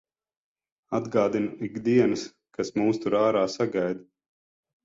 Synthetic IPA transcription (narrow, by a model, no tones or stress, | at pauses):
ad̪ɡaːd̪inuiɡd̪iɛnɨs | kasmuːst̪uɾaːɾaːsaɡajd̪